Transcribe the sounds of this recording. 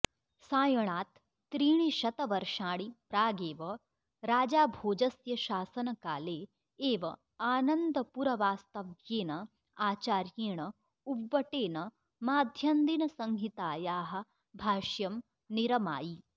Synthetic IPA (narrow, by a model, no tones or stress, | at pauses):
saːjɐɳaːt̪ː | ɾiːɳiʃɐt̪ɐʋɐɾʃaːɽipɾaːɡeːʋɐ | ɾaːd͡ʒaːbʱoːd͡ʒɐsjɐʃaːsɐnɐkaːleː | eːʋɐ | aːnɐnd̪ɐpuɾɐʋaːst̪ɐʋjeːnɐ | aːt͡ʃaːɾjeːɳɐ | ubʋɐʈeːnɐ | maːd̪ʱjɐnd̪inɐsɐŋɦit̪aːjaːɦɐ̆ | bʱaːʃjɐm | niɾɐma̰ːji